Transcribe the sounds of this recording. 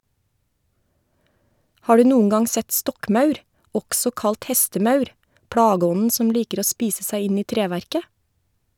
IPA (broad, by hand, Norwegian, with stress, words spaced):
ˈhɑː ˈɖʉː ˈnuːəŋ ˈɡɑŋ ˈsɛt ˈstɔkˌmɑʉɾ ˈɔksɔ ˈkɑlt ˈhɛstəˌmɑʉɾ ˈpɽɑːˌɡɔnn̩ ˈsɔm ˈliːkəɾ ˈoː ˈspiːsə ˈsæɪ ˈɪn ˈiː ˈtɾeːʋæɾkə